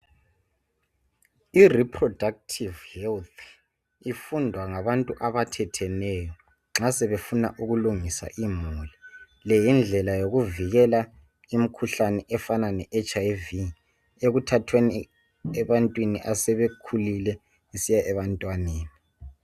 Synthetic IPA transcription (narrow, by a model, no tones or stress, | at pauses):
iripʰrɔdak̚tʰivhɛlt̪ʰ | ifundʱwaŋaβantʼuʔaβatʰɛtʰɛnɛjɔ | ŋ͡ǁasɛβefuna̰ʔuɣuluŋisa̰ʔimuli | lɛjind͡ɮʱɛlajoɣuviɣɛla | im̩kʰuɬanɛʔɛfananɛʔɛt͡ʃʰʼajvi | eɣutʰatʰweni | ɛβantʼwiniʔasɛβekʰulilɛ | esijaʔɛβantʼwaneːni